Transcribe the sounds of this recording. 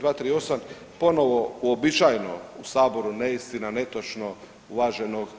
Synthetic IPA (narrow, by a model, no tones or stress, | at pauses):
d̪ʋaːt̪ɾiːo̞sam | po̞no̞ʋo̞uobit͡ʃajno̰usaːbo̞ɾuneist̪inane̞t̪ot͡ʃno̞ | uʋaːʒeno̞ɡ